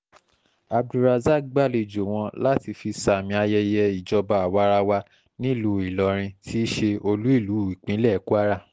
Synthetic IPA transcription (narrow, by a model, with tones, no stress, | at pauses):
a˨b̚du˧ɾa˧za˦˨ɡ͡ba˦˨le˧˨d͡ʒo˨w̃ɔ̃˧la˦ti˧fi˧sa˧˨mĩ˧a˧jɛ˧jɛ˧i˨d͡ʒɔ˧ba˧a˨wa˧˦ɾa˧wa˧ | nĩ˦˨lu˨˦i˨lɔ˨˦ɾ̃ĩ˧tʰi˦ʃe˧o˧lu˦i˦˨lu˨˦˨i˨k͡pĩ˨˦lɛ˦˨˦ku˦a˦ɾa˦˨